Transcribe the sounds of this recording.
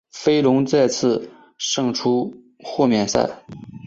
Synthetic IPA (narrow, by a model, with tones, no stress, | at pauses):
fe˥ɪlʊ˧˥ŋt͡sa˥˧ɪt͡sʰɹ̩˥˧ | ʂɤ˥˩ŋʈ͡ʂʰu˥ | xɔ˥˧mjɛ˥˩nsa̰˥˩ɪ